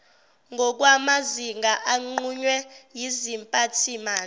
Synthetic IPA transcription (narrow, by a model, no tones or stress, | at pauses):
ŋɡʱɔk̬ʼwamaziŋɡʱaʔaŋ͡ǃuɲwɛjizimpʼatʰimaː